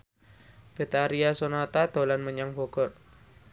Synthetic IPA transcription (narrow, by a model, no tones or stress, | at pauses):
b̥e̤t̪aɾiasonat̪ad̪̥o̤lanməɲaŋb̥ɔ̤ɡ̥ɔr